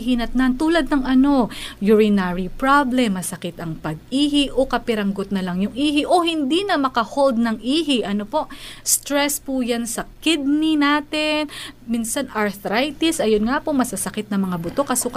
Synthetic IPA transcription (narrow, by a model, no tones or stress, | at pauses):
ɦɪnɐt̪̚nant̪uːlɐd̪̚nɐŋʔɐno̞jʊɹɪnaɹipɹablɛmːɐsɐkɪt̪ɐŋpɐɡ̚iːɦɪʔokɐpɪɾɐŋɡot̪̚nɐlɐŋjʊŋʔiːɦɪʔo̞hɪnd̪inɐmɐkɐhold̪̚nɐŋʔiːhɪʔɐnopo̞ʔst̪ɾɛspujansɐkɪd̪̚ninaːt̪ɪnminsɐnɐɹθɾajt̪ɪsʔɐjonŋapomɐsɐsɐkɪt̪̚nɐmɐŋabʊt̪o̞kɐsok